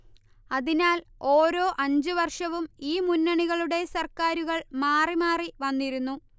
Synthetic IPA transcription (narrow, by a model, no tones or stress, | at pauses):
ɐðinaːlo̞ːɾo̞ːʔɐɲd͡ʑɨʋɐrʂɐʋumiːmunːɐɳiɣɐɭuɽe̞sɐrkaːɾuɣɐɭmaːrimaːriʋɐnːiɾunːu